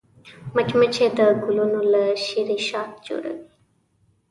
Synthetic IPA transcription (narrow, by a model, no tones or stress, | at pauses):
mət͡ʃmət͡ʃʰed̪əɡʊlunuləʃiɾiʃaːt̪̚d͡ʒo̰ːɽə̰ɡi